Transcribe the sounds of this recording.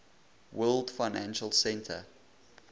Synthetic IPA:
wɜːldfaɪnæ̃nʃəlˠsɛ̃ntʰə̰

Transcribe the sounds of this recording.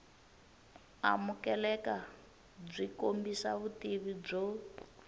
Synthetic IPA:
a̰mukɛlɛka | b͡ʐʷikombisaβutiβib͡ʐɔ

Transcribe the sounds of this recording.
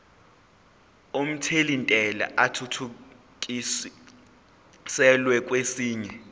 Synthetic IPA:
om̩tʰelintʼɛla̰ʔatʰutʰu | k̬ʼi | sɛlwɛk̬ʼwesiːɲɛ

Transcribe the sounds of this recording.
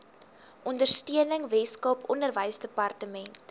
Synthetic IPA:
ʔɔndərstiənəŋvɛskɐpʰɔndərvəjsdəpɐrtəmɛnt

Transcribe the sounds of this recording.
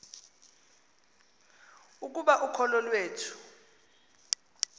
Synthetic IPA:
uk̬uɓaʔukʰɔlɔlweːtʰu̥

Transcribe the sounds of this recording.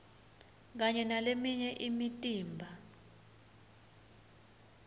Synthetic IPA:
k̬aɲɛnalemiɲɛʔimitʼiːmbʱa

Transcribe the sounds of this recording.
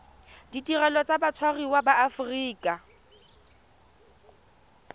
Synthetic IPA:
ditʼirɛlɔt͡sʼabat͡sʰwariwabaʔːfʊriːkʼa

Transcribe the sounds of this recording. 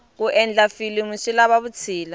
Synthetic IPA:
k̬uʔɛnd͡ɮafilimuʃilaɓaβut͡sʰiːla

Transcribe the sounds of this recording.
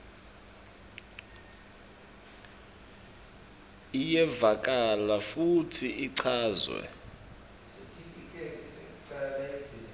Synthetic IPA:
ijɛvak̬ʼalafutʰiʔiǀʰaːzwɛ̰ | sekʰʼifikʼɛsekǀalɛ

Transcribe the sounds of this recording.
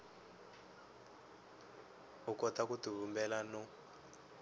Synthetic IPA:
ukɔtakutuβumbɛlanɔ

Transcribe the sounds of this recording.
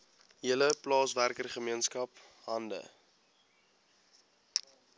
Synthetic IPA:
ɦiələplɑːsværkərχəmiənskɐp | ɦɐndə̰

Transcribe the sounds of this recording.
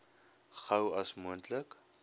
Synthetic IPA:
χəwɐsmuəntlək

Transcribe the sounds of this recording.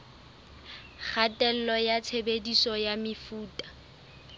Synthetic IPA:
k͡xʰatʼɛl̩lɔjat͡sʰebedisɔjamɪfuːtʼḁ

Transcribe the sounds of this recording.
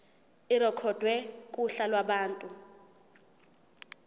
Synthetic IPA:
irɔkʰɔd̥ʱwɛkʼuɬalwaɓaːntʼu

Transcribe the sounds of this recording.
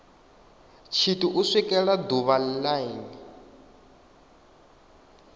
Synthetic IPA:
t͡ʃʰituʔusikʼɛɺad̪uβallaini

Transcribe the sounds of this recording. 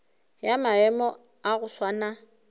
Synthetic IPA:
jamaɛmɔ | aɣʊswana

